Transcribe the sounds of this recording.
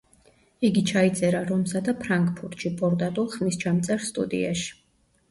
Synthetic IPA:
iɡit͡ʃʰait̪sʼɛɾaɾɔmsad̪apʰɾaŋkʼpʰuɾt̪ʃipʼɔɾt̪ʼat̪ʼulˠχmist͡ʃʰamt̪sʼɛɾst̪ʼṵd̪ḭa̰ʃi̥

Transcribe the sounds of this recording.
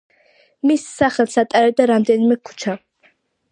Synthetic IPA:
misːaχɛlˠsat̪ʼaɾɛd̪aɾamd̪ɛnimɛkʰu̥t͡ʃʰa

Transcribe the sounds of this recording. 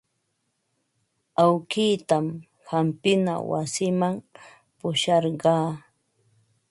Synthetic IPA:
awkiːt̪am | hampɪna̰wa̰sɪmam | pʊʃɑɾɢɑː

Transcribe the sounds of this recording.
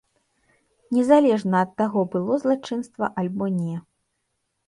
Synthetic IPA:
nʲɛzalʲɛʐnɐːt̪ːaɣɔbɨlˠɔzlˠat͡ʂɨnst̪vɐ̰ʔalʲbɔnʲɛ

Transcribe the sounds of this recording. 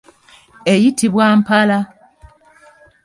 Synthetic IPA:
ejitiβwaːmpala

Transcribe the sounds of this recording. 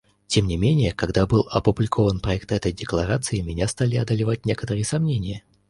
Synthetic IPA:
tʲemnʲɪmʲenʲɪjəkɐɡd̪abɨlˠɐpʊblʲɪkʰo̞vənpɾɐɛk̚t̪ɛt̪əjdʲɪklˠɐɾat̪sɨɪmʲɪnʲast̪alʲɪɐd̪əlʲɪvat̚ʲnʲe̞kə̥t̪əɾɨjəsɐmnʲenʲɪjə

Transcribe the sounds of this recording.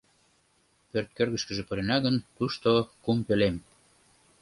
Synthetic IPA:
pørt̪̚kørɣə̆ʃkə̆ʒĕpɤ̆ɾenɑɣənt̪uʃt̪okumpølem

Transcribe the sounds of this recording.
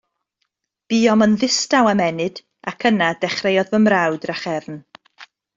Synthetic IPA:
b̥iːɔmənðɪstawamɛnɨd̥ | akʰənadɛχrejɔðvəmrawdraχɛvn

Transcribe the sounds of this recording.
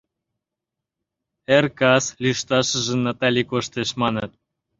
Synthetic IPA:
erkɑslʲiʃt̪ɑʃə̆ʒə̆nːɑt̪ɑlʲikoʃt̪eʃmɑnɤ̆t̪̚

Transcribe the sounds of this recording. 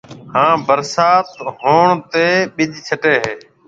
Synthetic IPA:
hãːbəɾsaːt̪ɦoːɳt̪eːɓɪʄʱt͡ʃʰəʈeːɦeː

